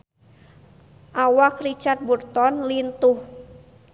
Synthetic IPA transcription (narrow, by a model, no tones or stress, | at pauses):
ʔawakrit͡ʃat̪̚burt̪ɔnlint̪uh